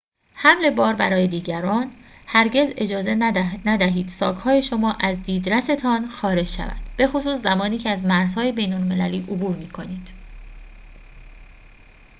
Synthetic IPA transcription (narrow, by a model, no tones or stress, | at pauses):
hæmle̞bɒːɾbæ̰ɾɒːje̞d̪iːɟæɾɒːnhæɾɟe̞ze̞d͡ʒɒːze̞næd̪æɦiːd̪̥sɒːkʰhɒːje̞ʃo̞mɒːʔæzd̪iːd̪ɾæse̞t̪ʰɒːnxɒːɾe̞d͡ʒʃæ̰væ̰nd̪̥b̥e̞xosuːszæmɒːniːcʰeæzmæɾz̥hɒːje̞be̞jnolme̞læliːʔobuːɾmiːkʰo̞niːd̪̥